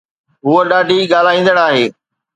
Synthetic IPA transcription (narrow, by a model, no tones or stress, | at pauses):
ɦuəɗaːɖʱiɡaːl̤aːĩːnd̪əɽaːɦeː